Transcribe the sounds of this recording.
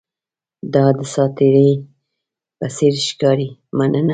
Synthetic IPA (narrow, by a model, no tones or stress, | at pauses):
d̪ɑd̪əsɑt̪ɪɾi | pasiɾʃkɑɾimanəna